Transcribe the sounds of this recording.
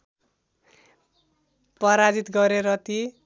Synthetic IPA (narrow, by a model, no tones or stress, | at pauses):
pʌɾad͡zit̪ɡʌɾeɾʌt̪i